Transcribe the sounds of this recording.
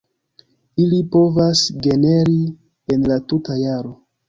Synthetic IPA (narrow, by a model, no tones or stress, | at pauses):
ilipo̞vasɡe̞ne̞ɾi | enlatutajaɾo̞